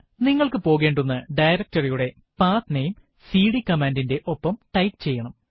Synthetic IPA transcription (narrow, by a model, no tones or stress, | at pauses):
niŋːɐɭkɨpo̞ːɣe̞ːɳɖunːɨɖɐjɾɐk̚tɐrijuɽe̞ | paːt̪nejum | siːɽikːɐmaːndinde̞ʔo̞pːɐmʈɐjkɨt͡ɕe̞jːɐɳɐm